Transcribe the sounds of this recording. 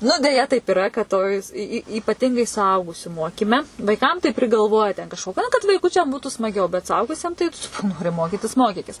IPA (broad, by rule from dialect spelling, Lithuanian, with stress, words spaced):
nʊ dʲɛˈjɛ tɐɪp ɪˈrɐ kɐt ˈtoːj s iː iː iːpɐˈtʲɪŋɡɐɪ sʊˈɐʊɡʊsʲʊ ˈmoːkʲiːmʲɛ ʋɐɪˈkɐm tɐɪ pʲrʲɪɡɐlˠˈʋoːjɛ tʲɛ kɐʃkoː nɐ kɐt ʋɐɪˈkʊt͡ʃʲɛm ˈbuːtʊ smɐˈɡʲɛʊ bʲɛt sʊˈɐʊɡʊsʲiɛm tɐɪ ˈnoːrʲɪ ˈmoːkʲɪtʲɪs ˈmoːkʲɪkʲɪs